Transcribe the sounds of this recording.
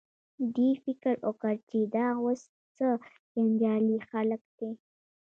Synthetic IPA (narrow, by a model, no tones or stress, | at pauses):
d̪ifɪkəɾokəɾt͡ʃid̪ɑwos | t͡sə | d͡ʒand͡ʒɑlixaləkd̪e